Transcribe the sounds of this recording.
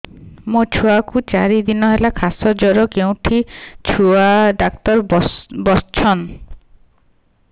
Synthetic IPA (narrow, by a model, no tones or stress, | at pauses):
mot͡ʃʰuakut͡ʃaɾid̪inɔɦelakʰasɔd͡ʒɔɾɔkeũʈʰit͡ʃʰuaɖak̚t̪ɔɾbɔst͡ʃʰɔn